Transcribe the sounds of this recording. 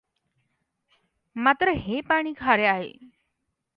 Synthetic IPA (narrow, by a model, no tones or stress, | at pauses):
mat̪ɾəɦepaɽ̃iːɡʱaɾeaɦḛ